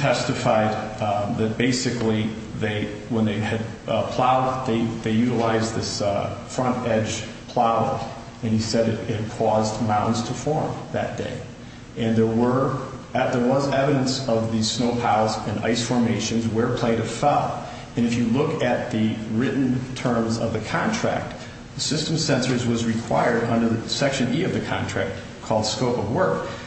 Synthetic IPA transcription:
tʰɛstɨfaɪd̪̚ðɨt̚b̥eɪsɨkli | ðeɪ | wə̃nðeɪɨd̚pʰl̥aʊd̪̚ðeɪðeɪjʉɾəlaɪzðɪsfɹʌ̃ntɛ̥d͡ʒ̥ | pʰl̥aʊ̰ | ɨ̃nisɛɾɨhɨd̚kʰɔzmãʊ̃ʔn̩dz̥tʰəfɔɹmðɨ̰t̚d̥ḛɪ | ɨ̃nðə˞wə˞ | ðə˞wʌzɛvɨɾɨ̃nsʌvðɨsnoʊpʰaʊzɨ̃na̰ɪsfɔɹmeɪʃɨ̃nzwə˞pʰl̥ẽɪ̃ɾ̃ʌv̥fɛlˠ | ɨ̃nɨfjɨlʊkɨt̪̚ðɨɹɪʔn̩tʰɜ̃˞mzʌ̰vðɨkʰɑ̃ntʰɹ̥æ̰k̚t̪̚ | ðɨsɪstm̩sɛ̃nsə˞zwʌzɹɨkʰw̥aɪə˞ɾʌ̃ndə˞ðɨsɛkʃɨ̃nʔiʌvðɨkʰɑ̰̃ntʰɹ̥æk̚t | kʰɔlˠd̥skoʊpʌvwɜ˞k

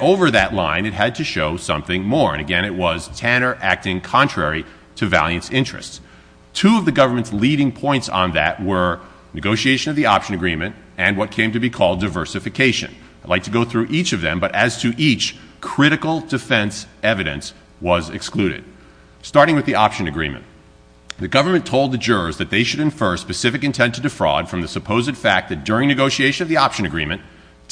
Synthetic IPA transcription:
oʊvə˞ðɨʔˡlã̰ɪ̃nɨt̚ɦɨd̚tʰɨʃoʊsʌ̰̃mθɪ̃ŋmɔɹɨ̰̃nɨɡɛ̃ɾ̃ɨt̚wʌz̥tʰænə˞ʔæk̚tɪ̃ŋkʰɑ̃ntʰɹ̥ɛɹi | ɾɨvæ̰lˠjɨ̃nsɪ̃nt͡ʃɹ̥ɨ̰sts | tʰuʌvðɨɡʌvə˞mɨ̃ntsliɾɪ̃ŋpʰɔ̃ɪ̃ntsn̩ðɨ̰ʔ̚wə˞ | nɨɡoʊʃieɪʃɨ̃nʌvðiɑpʃɨ̃nɨɡɹĩmɨ̃nt | ɨ̃nwʌt̚kʰẽɪ̃mtɨbikʰɔlˠdaɪvɜ˞sɨfɨkʰeɪʃɨ̰̃n | ḁlaɪk̚tʰɨɡoʊθɹʉʔit͡ʃʌvðɨ̰̃mbʌɾʔɨz̥tʰɨʔit͡ʃkʰɹ̥ɪɾɨkl̩ˠdɨfɛ̃nsɛvɨɾɨ̰̃ns | wʌzɨ̰ksklʉɾɨ̰d̥̚ | stɑɹɾɪ̃ŋwɨðiʔɑpʃɨ̃nɨɡɹḭ̃mɨ̰̃n | ðɨɡʌvə˞mɨ̃ntʰoʊlˠd̪̚ðɨd͡ʒʊɹəzðɨt̪̚ðeɪʃɨɾɨ̃ɱfɜ˞spɨsɪfɨkɨ̃ntʰɛ̃ntʰɨdɨfɹɔ̰d̥fɹʌ̃mðɨsɨpʰoʊzɨd̥fæk̚ðɨt̚d̥ʊɹɪ̃ŋnɨɡoʊʃieɪʃɨ̃nʌvðiɑpʃɨ̃nɨɡɹḭ̃mɨ̃n

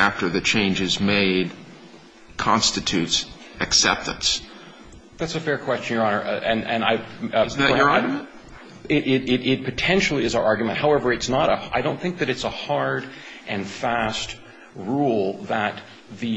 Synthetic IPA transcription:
æftə˞ðɨt͡ʃʰẽɪ̃nd͡ʒɨzmeɪd̚ | kʰɑ̃nstɨtʰʉts | ɨksɛ̰p̚tɨ̰̃ns | ðætsɨfɛɹkʰw̥ɛst͡ʃɨ̃n̩jə˞ɑnə˞ʔʔɨ̃nɨ̃naɪ | ə˞ɑɹɡjmɨ̃nt | ɪɾɪɾɪɾɪt̚pʰɨtʰɛ̃nʃl̩ˠiɨzəʔɑɹɡjmɨ̃nthaʊɛvə˞ɨtsnəɾəaɪɾõʊ̃nθɪ̃ŋk̚ðɨɾɨtsəhɑɹɾʔɨ̃nfæst | ɹulˠðət̪̚ | ðɨ

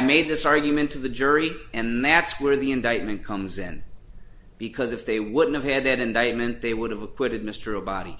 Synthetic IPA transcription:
meɪd̪̚ðɪsɑɹɡjmɨ̃ntʰɨðɨd͡ʒʊɹiɨ̃nðætswə˞ðiɨ̃ndaɪt̚mɨ̃nkʰʌ̃mzɪ̰̃n | b̥ɨkʰʌzɨfðeɪwʊdⁿn̩tɨv̥ɨd̪̚ðɨɾɨ̃ndaɪt̚mɨ̃nðeɪwʊɾɨvəkʰw̥ɪɾɨd̚mɪstə˞obɑ̰ɾḭ

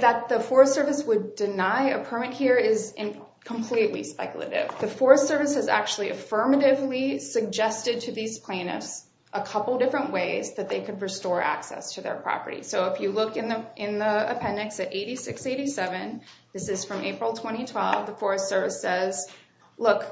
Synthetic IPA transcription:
ðət̪̚ðɨfɔɹstsɜ˞vɨswəddɨnaɪɨpʰɜ˞mɨt̚hiɹɪzɪ̃n | kʰə̃m̩pʰl̥itˡlḭspɛ̰kjl̩ˠɨ̰ɾɪ̰vðɨfɔɹɨstsɜ˞vɨshɨzæ̰k̚t͡ʃʉl̩ˠiʔɨfɜ˞mɨɾɪvlisɨɡ̚d͡ʒɛstɨd̚tʰɨðiz̥pʰl̥ẽɪ̃nɨ̰fs | ʔəkʰʌpl̩ˠdɪfɹɨ̃nʔweɪzðɨt̪̚ðeɪkʰɨd̚ɹɨstɔɹʔæ̰ksɛ̰stʰɨðə̰˞pʰɹ̥ɑ̰pə̰˞ɾḭsoʊəfjɨlʊkɨ̃nðəʔɪ̃nðiə̰pʰɛ̃nɨksɨɾʔeɪɾisɪkseɪɾisɛvɨ̃nðɪsɨz̥fɹʌ̃mʔeɪpɹl̩ˠtʰw̥ɛ̃ɾ̃itʰw̥ɛ̰lˠvðəfɔɹɨstsɜ˞vɨsɛz | lʊk

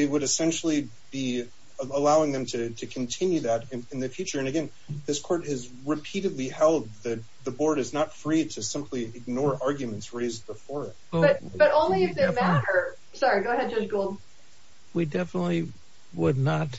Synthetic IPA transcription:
ɨwəɾɨsɛ̃nʃl̩ˠi | b̥i | əəlaʊɪ̃ŋðɨ̃mtʰɨɾɨkʰn̩tʰɪ̃njʉðɨɾ̃ɨ̃nðɨfjʉt͡ʃə˞ɨ̃nɨɡɛ̃n | ðɪskʰɔɹt̚hɨz | ɹɨpʰiɾɨdˡlihɛlˠd̪̚ðɨt̪̚ðəbɔɹɾɨznətfɹiɾɨsɪ̃mpʰliɨɡ̚nɔɹɑɹɡjʉmɨ̃n̩tsɹeɪz̚bəfɔɹɪt̚bʌt̚b̥ʌɾõʊ̃nliɨfðɪmæɾə˞ | sɑɹiɡoʊɦɛd̚d͡ʒʌsɡ̥oʊlˠd | widɛfənətˡli | wədⁿnət

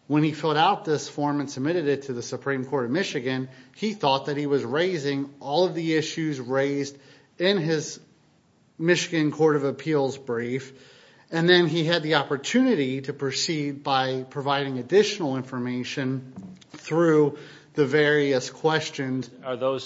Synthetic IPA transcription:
wə̃nifɛlˠɾaʊt̪̚ðɪsfɔɹmɨ̃nsəb̚mɪɾɨɾɨtʰɨðɨsɨpʰɹ̥ĩmkʰɔɹɾʌvmɪʃɨɡɨ̃niθɔt̪̚ðɨt̚hiwʌzɹeɪzɪ̃ŋɔlˠʌvðiɪʃʉzɹeɪzd | ɪ̃nɪz | mɪʃɨɡɨ̃nkʰɔɹɾʌvɨpʰilˠzbɹif | ɨ̃nðɨ̃niɨd̪̚ðiɑpə˞tʰʉnɨɾiɾɨpʰɹ̥ɨsid̚baɪpʰɹ̥ɨvaɪɾɪ̃ŋɨdɪʃnl̩ˠɪ̃ɱfə˞meɪʃɨ̃nθɹʉ | ðɨvɛɹiɨskʰw̥ɛst͡ʃɨ̃nz̥əðoʊz

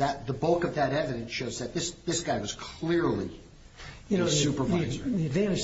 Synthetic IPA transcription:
ðɨt̪̚ðəbʌlˠkʌvðɨɾɛvɨɾɨ̃nsʃoʊzðɨt̪̚ðɪsðɪsɡ̥aɪwʌz̥kʰl̥ɪɹlˠḭ | ɨsʉpə˞vɪzivæ̃nɨs

